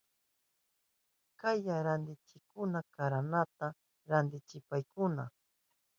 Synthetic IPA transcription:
kajaɾand̪ɪt͡ʃɪkʊnakaɾanat̪a | ɾand̪ɪt͡ʃɪpajkʊna̰

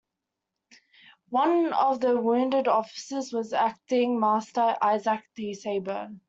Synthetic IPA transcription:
wãnɔvðəwũːndədɔfɪ̥səzwɔzæk̚tɪ̃ŋmastəʔaɪzək̚ðiseɪbə

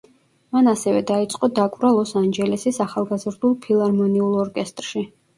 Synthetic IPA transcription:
manasɛvɛd̪ait̪sʼqʼɔd̪akʼvɾalˠɔsand͡ʒɛlɛsisaχalˠɡazɾd̪ulˠpʰilˠaɾmɔniulˠɔɾkʼɛst̪ʼɾʃi

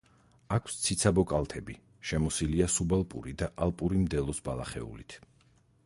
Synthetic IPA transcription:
akʷʰwst̪sʰit̪sʰabɔkʼalˠt̪ʰɛbi | ʃɛmɔsiliasubalˠpʼṵɾid̪aʔalˠpʼuɾimd̪ɛlˠɔsbalˠaχɛ̰ṵlit̪ʰ

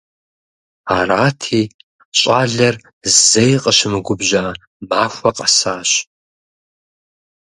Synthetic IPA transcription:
aːraːtʰiː | ɕʼaːɮɐr | zzejqʼəɕɪmɨɡʷʊbʑa | baːxʷɐqʼɐsaːɕ

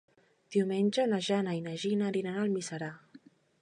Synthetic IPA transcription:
d̪̥iuwmenʲd͡ʒənaʒanainaʒinaɾinanalmisaɾa

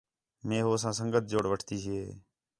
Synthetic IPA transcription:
mẽːɦoːsãːsəŋɡət̪̚ʰd͡ʒoːɽʋəʈʰt̪iːseː

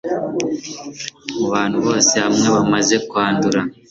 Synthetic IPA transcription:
muβaːn̥huβo̞ːsehamŋe̞βamaze̞kwaːnduɾa

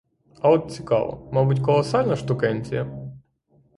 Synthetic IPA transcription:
ɐɔt̪̚t͡sʲikɑ̰ʋɐ̰mabutʲkɔlˠɔsɑlʲnɐʃt̪ʊkɛnʲt͡sʲɪjɐ

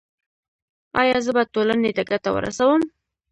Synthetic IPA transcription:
ɑ̰jɑzəbatolaned̪aɡat̪awə̰ɾa̰sawəm

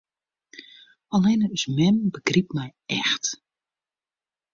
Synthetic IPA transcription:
ɔlɛnəəsmɛnbəɡrip̚mɛjɛxt

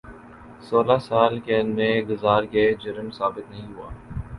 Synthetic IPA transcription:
soːlasaːlkenmẽɡʊzaːɾɡed͡ʒɐɾmsaːbɪt̪nɐɦĩɦuaː

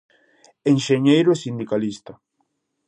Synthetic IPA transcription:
enʃeɲejɾʊesind̪ikalist̪ɐ

